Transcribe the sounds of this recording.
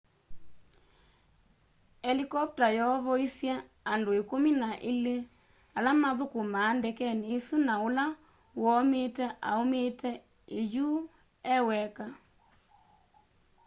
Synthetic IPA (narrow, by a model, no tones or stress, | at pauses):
ɛlikɔp̚tajɔβɔisja | andoekominaʔele | alamaðokomaːndɛkɛneːsunaola | wɔmetɛʔa̰ometɛ | eju | ɛwɛka